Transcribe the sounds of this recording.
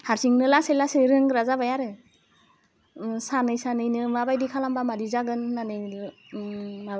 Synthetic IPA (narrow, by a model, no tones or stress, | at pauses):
haɾsʰiŋnɯlaselaseɾɯŋɾazabajaɾɯ | sanɯjsanɯjnɯmabajdikʰalambamadizaɡɯnːanɯjɯ | ma